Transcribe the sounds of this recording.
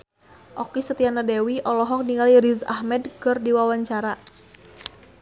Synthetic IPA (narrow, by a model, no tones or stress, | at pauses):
ʔɔkisət̪ianadɛwiʔɔlɔɦɔk̚niŋaliɾiza̰hmɛdkərdiwawaɲt͡ʃaɾa